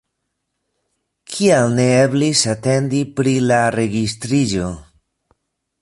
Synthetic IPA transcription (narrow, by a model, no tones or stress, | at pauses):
kʰialne̞eblisate̞ndipɾilaɾe̞ɡistɾid͡ʒo̞